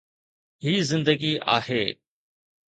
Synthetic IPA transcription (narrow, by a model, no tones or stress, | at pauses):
ɦiːzɪ̃nd̪əɡiʔa̰ːheː